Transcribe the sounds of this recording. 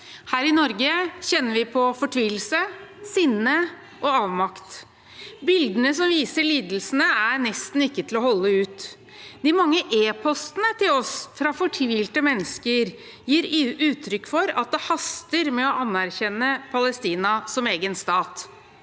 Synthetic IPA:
hæːɾɪnɔɾɡəçɛnːəɾʋɪpʰɔfɔʈʰʋiːl̩səsɪnːə | ʔɔɑːʋmɑkt̪ | bɪld̪ənəsɔmʋiːsəɭiːd̪l̩sənəæɾnɛst̪n̩ɪkːət̪ʰɪlɔhɔlːəʉːt̪ | d̪̥ɪmɑŋːəʔeːpʰɔst̪ənət̪ʰɪlɔsfɾɑfɔʈʰʋiːlt̪əmɛnːəskəɾ | jiːɾʉːt̪ʰɾʏkːfɔɾɑ̰t̪̚d̪ɛhɑst̪əɾmɛɔʔɑnːæɾçɛnːəpʰɑləst̪iːnɑsɔmeːɡənst̪ɑːt̪

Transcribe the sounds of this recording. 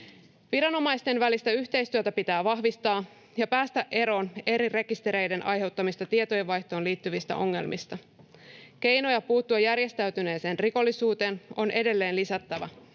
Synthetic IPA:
ʋiɾɑno̞mɑjst̪e̞nʋælist̪æyçt̪e̞jst̪yøt̪æpit̪æːʋɑɦʋist̪ɑː | jɑpæːst̪æʔe̞ɾo̞ːne̞ɾire̞kist̪e̞ɾe̞jde̞nʔɑjɦe̞wt̪ːɑmist̪ɑt̪iet̪ojeʋːɑjçt̪o̞ːnliːt̪ːyʋist̪æ̰ʔo̞ŋːe̞̰lmʔḭst̪ɑ | ke̞jno̞jɑpuːt̪ːuɑjːærje̞st̪æɥt̪yne̞ːse̞ːnriko̞lːisuːt̪e̞ːno̞nʔe̞de̞lːe̞ːnlisæt̪ːæʋæ̰

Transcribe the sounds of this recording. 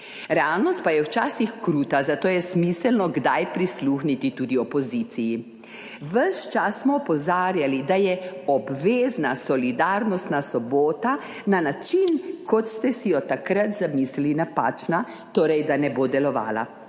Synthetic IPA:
ɾɛaːlnɔst̪̚pajɛwt͡ʃaːsixkɾuːt̪azat̪oːjɛsmisɛlnɔɡd̪ajpɾisluxnit̪it̪uːd̪iɔpɔzit̪siji | ʋəʃt͡ʃasːmɔːpɔzaːɾjalid̪ajɛɔbʋeːznasɔlid̪aːɾnɔst̪nasɔboːt̪a | nanat͡ʃinkʰɔt̪st̪ɛsijɔt̪akɾat̪zamislilinapa̰ːt͡ʃna | t̪oːɾɛjd̪anɛboːd̪ɛlɔʋa̰ːla̰

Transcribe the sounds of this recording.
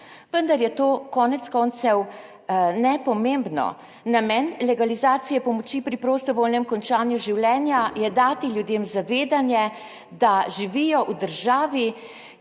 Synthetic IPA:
ʋənd̪aɾjɛt̪oːkɔːnɛt̪skɔːnt̪sɛw | nɛpɔmembnɔ̰ | namɛːnlɛɡalizaːt̪sijɛpɔmɔt͡ʃiːpɾipɾost̪ɔʋoːlnɛmkɔnt͡ʃaːnjuʒiwlɛːnjajɛd̪aːt̪iljud̪eːmzaʋeːd̪anjɛ | d̪aʒiʋiːjɔʔud̪əɾʒaːʋi

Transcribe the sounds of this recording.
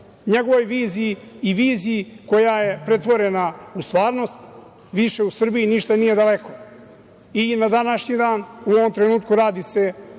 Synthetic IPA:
ɲeɡo̞ʋo̞jʋiːziiːʋiːziiko̞jaje̞pɾe̞t̪ʋo̞ɾenaust̪ʋaːɾno̞st̪ | ʋiʃe̞usr̩biiniʃt̪anije̞d̪alekʰo | inad̪anaʃɲid̪aːnuo̞ʋo̞mt̪ɾenuːt̪kuɾaːd̪ise̞

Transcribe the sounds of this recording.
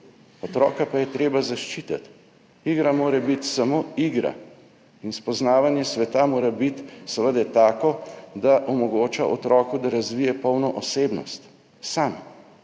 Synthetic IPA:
ɔt̪ɾɔ̰ːkapajɛt̪ɾeːbazaʃt͡ʃiːt̪at̪ | iɡɾamoːɾɛbit̪samoːiːɡɾa̰ | inspɔznaːʋanjɛsʋɛt̪amoːɾɛbit̪səʋəd̪ɛt̪aːkɔd̪aʔɔmɔɡoːt͡ʃaʔɔt̪ɾɔːkud̪aɾazʋiːjɛpɔwnɔʔɔseːbnɔ̰st̪ | sam

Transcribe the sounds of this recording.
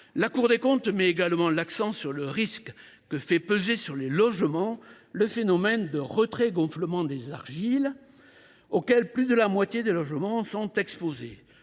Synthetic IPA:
lakuʁd̪ekɔ̃t̪mɛeɡalmɑ̃laksɑ̃syʁləʁisk | kəfɛpəzesyʁlelɔʒmɑ̃ | ləfenɔmɛnd̪əʁət̪χeɡɔ̃fləmɑ̃d̪ezaʁʒil | okɛlplyd̪əlamwat̪jed̪elɔʒmɑ̃sɔ̃t̪ɛkspoze

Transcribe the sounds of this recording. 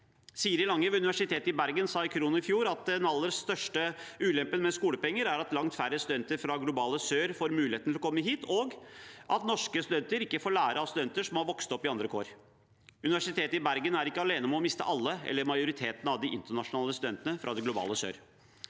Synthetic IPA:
siːɾɪlɑŋːəʋʉnɪʋæʂɪt̪ʰeːt̪ɪbæɾɡənsɑːɪkʰɾuːnəɪfjuːɾɑt̪̚d̪nɑlːəɾəsːt̪œʂʈəʉːlɛmpənmɛskuːləpɛŋːəɾæɾɑt̪lɑŋt̪fæɾəst̪ʉd̪ɛnt̪əɾfɾɑɡlʊbɑːləsøːɾfoːɾmʉːlɪheːt̪nɪlːɔkʰɔmːəɦiːt̪ʰoɡʔɑt̪nɔʂkəst̪ʉd̪ɛnt̪əɾɪkːəfoːɭæːɾʔəɑst̪ʉd̪ɛnt̪əʂɔmɑʋɔkst̪ɔpːɪɑnd̪ɾəkʰo̰ːɾ | ʉnɪʋæʂɪt̪ʰeːt̪əɪbæɾɡənæɾɪkːəɑleːnəmɔmɪst̪ə̰ʔɑlːəɛ̰lːəɾmɑɪʊɾɪt̪ʰeːt̪nəɑʋd̪ɪʔɪ̰nt̪əɳɑʂʊnɑːləst̪ʉd̪ɛnt̪ənəfɾʔɑd̪ɛɡlʊbɑ̰ːləsø̰ːɾ

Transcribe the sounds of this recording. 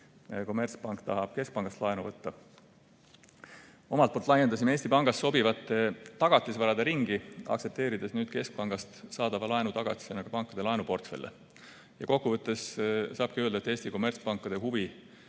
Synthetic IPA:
ko̞mːe̞rt̪spɑŋkt̪ɑ̰ɦɑb̥ke̞sk̚pɑŋɡ̥ɑst̪lɑenuvɤt̪ːɑ | o̞mɑlt̪̚olt̪lɑjed̪̥ɑs̬imeːsʲt̪ipɑŋɡ̥ɑsːo̞bivɑt̪ːˑet̪ːɑɡ̥ɑt̪ːˑisvɑɾɑd̪̥ɑɾiŋɡ̥iɑ̰kse̞p̚t̪e̞ːɾid̪̥e̞snyːd̪̥̚ke̞sk̚pɑŋɡ̥ɑst̪sɑːd̪̥ɑvɑlɑenut̪ɑɡ̥ɑ̰t̪isenɑɡ̥ɑpɑŋkːˑɑd̪̥e̞lɑenupo̞rt̪fe̞̰lːḛ | jɑko̞kːuvɤt̪ːˑe̞ssɑːb̥kiøld̪ɑet̪ːˑe̞ːst̪iko̞mːe̞rt̪spɑŋkːˑɑd̪̥e̞ɦuvi

